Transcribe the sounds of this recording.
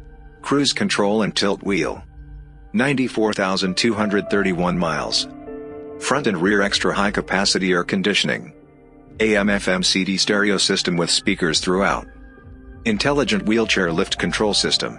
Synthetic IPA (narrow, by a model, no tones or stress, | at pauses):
kʰɹ̥ʉz̥kʰɨ̃ntʰɹ̥oʊlˠə̃ntʰɪlˠtwilˠ | nãɪ̃ntifɔɹθaʊzɨ̃ntʰʉɦʌ̃ndɹɨd̪̚θɜ˞ɾiwʌ̃nmaɪlˠz̥ | fɹʌ̃ntɨ̃nɹɪɹɛkstɹ̥əɦaɪkʰɨpʰæsɨɾiə˞kʰɨ̃ndɪʃɨnɪ̰̃ŋ | eɪɛ̃mɛfɛ̃msiɾistɛɹioʊsɪstɨ̃mwɨð̥spikə˞z̥θɹua̰ʊt̚ | ɨ̃ntʰɛlˠəd͡ʒɨ̃nʔwilˠt͡ʃʰɛɹlɪft̚kʰɨ̃ntʰɹ̥oʊlˠsɪstɨ̰̃m